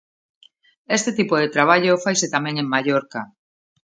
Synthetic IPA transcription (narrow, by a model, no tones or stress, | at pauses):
est̪et̪ipoðet̪ɾaβ̞aʎofajset̪amẽŋeŋmaʎoɾka